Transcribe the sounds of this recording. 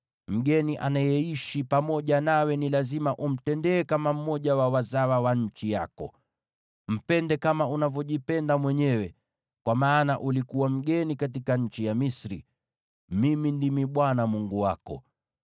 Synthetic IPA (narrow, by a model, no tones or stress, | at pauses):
m̩ɡɛniʔa̰najɛiʃipamɔʄanawɛnilazimaʔum̩tɛndɛːkamam̩mɔʄawawazawawaɲ̩t͡ʃija̰kɔ̰ | m̩pɛndɛkamaunavjɔʄipɛndamwɛɲɛwɛ | kwamaːnaʔulikuwam̩ɠɛnikat̬ikaɲ̩t͡ʃijamisɾḭ | mimindimiɓwanamuŋɡuwakɔ̰